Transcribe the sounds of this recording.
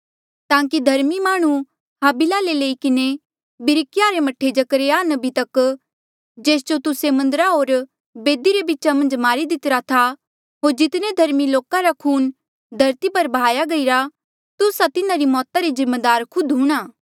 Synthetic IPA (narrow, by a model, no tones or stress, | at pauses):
t̪ãːkid̪ʱɐɾmimaːɽ̃ũ | ɦaːbɪlaleleːikɪne | bɪɾɪkjaɾemɐʈʰːed͡ʒɐkɾeaːnɐbʱit̪ɐk | d͡ʒeːsd͡ʒot̪ʊsemɐ̃nd̪əɾaɦoːɾ | beːd̪iɾebɪtːʃamɐ̃nd͡ʒmaːɾid̪ɪt̪ɾat̪ʰa | ɦoːɾd͡ʒɪt̪ned̪ʱɐɾmiloːkaɾakʰuːn | d̪ʱɐɾt̪ipɐɾbaːjaɡɐiɾa | t̪ʊsat̪ɪnãɾimɔːt̪aɾizɪmːed̪aːɾkʰʊd̪ɦuːɽ̃aː